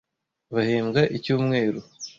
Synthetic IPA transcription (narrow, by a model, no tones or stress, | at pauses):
βahiːmɡaʔicuːmŋe̞ːɾu